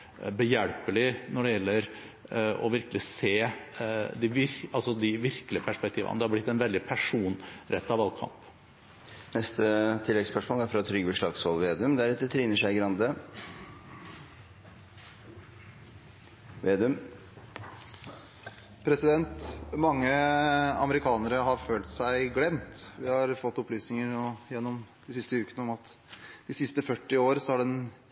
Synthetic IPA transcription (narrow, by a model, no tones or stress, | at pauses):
bəjæɽpəɭɪnɔɖɛjɛlːəɾ | ɔ̰ʋɪɾkəlɪseː | d̪ɪʋɪɾɑlsɔd̪ɪʋɪɾkəlɪəpʰæʂpɛk̚t̪ʰiːʋə̰nəd̪ɛhɑɾblɪt̪ːɛnʋɛld̪ɪpʰæʂuːnɾʔɛt̪ːɑʋɑlkʰɑ̰mp | nɛst̪ət̪ʰɪlːɛɡspœʂmoːlæɾfɾɑt̪ʰɾʏɡəbəʂlɑɡshɔlʋeːd̪ʉmd̪æɾɛt̪ːət̪ʰɾiːnəʂæɪɡɾɑnd̪ə | ʋeːd̪ʉm | pʰɾɛsɪd̪ɛnt̪mɑŋːəɑ̰məɾɪkʰɑːnəɾəɦɑɾføːlt̪sæɪɡlɛmt̪ʋɪhɑɾfɔt̪ːɔplyːsnɪŋəɾnoːjɛnːɔmd̪ɪsɪst̪əʉːkənəɔmɑt̪d̪ɪsɪst̪əfœʈːɪoːɾəsɔhæɖɛn